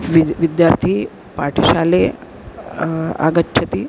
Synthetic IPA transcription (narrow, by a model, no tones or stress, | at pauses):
ʋiʋid̪jaɾt̪ʰiː | paʈʰiɕale | a̰ɡətːɕʰət̪iː